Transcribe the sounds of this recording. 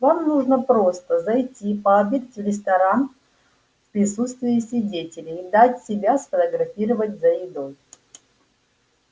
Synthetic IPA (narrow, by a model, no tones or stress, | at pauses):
vamnuʐnəpɾo̞st̪əzɐjtʲipəɐbʲitʲtʲvɾʲɪst̪ɐɾan | fpɾʲɪsut̪st̪vʲɪːɪsʲvʲɪdʲetʲɪlʲɪːd̪atʲsʲɪbʲasfət̪əɡɾɐfʲiɾəvətʲzəɪd̪o̞j